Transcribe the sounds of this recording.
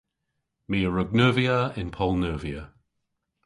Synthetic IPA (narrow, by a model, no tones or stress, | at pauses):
miəɹəɡ̚nəːviəɪ̃npʰɔlˠnəːviə